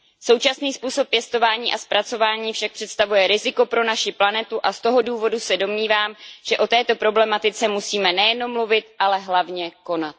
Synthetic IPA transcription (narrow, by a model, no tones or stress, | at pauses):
so̞wt͡ʃasniːspuːso̞pːjɛst̪o̞vaːɲiːʔaspɾat͡so̞vaːɲiːfʃak̚pr̥ɛt̪st̪avujɛɾɪzɪko̞pɾo̞naʃɪplanɛt̪uʔast̪o̞ɦo̞duːvo̞dusɛdo̞mɲiːvaːmʒ̥ɛʔo̞t̪ɛːt̪o̞pɾo̞blɛmat̪ɪt͡sɛmusiːmɛnɛjɛno̞mːluvɪt̪ʔalɛɦlavɲɛko̞nat̪̚